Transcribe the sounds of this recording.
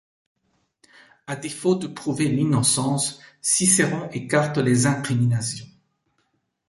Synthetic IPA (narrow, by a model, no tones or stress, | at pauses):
ad̪efod̪əpχuvelinɔsɑ̃sːiseʁɔ̃ʔekaʁt̪lezɛ̃kχiminasjɔ̃